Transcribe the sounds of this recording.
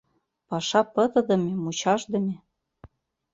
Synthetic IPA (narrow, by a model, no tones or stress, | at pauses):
pɑʃɑpɤ̆t̪ɤ̆d̪ə̆mʲemut͡ɕɑʒd̪ɤ̆mʲe